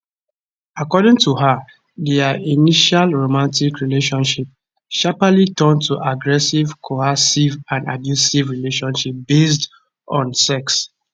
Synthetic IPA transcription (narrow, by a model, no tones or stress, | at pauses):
akɔdɪ̃ŋtuɦə | dɛainiʃalɹomãntikɹileʃɔ̃nʃip̚ | ʃapalitʰɜ̃ntʰuʔaɡɹɛsivkʰohasivãnda̰djusivɹileʃɔ̃nʃip̚b̥est | ɔ̃nsɛks